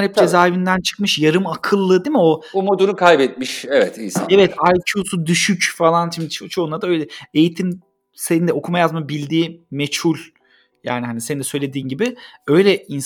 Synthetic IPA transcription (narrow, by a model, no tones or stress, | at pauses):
hɛp̚d͡ʒezaːivind̪ænt͡ʃʰɯ̥kmɯʃjaɾɯmakʰɯlˠːɯd̪imɪo̞bumod̪uɾukʰajbɛt̪̚miʃevɛt̪ḭnsa̰evɛt̪ʰajt͡ʃʰuːsud̪yʃycfalˠant͡ʃimd̪it͡ʃʰot͡ʃʰo̞unˠaɾd̪aø̞jlʲɛejit̪ʰim | senind̪ɛo̞kʰumajazmabilʲd̪iːmet͡ʃhulʲ | jaːnihanisenind̪ɛsø̞jlʲe̞d̪iːnɟibɪø̞jlʲɛins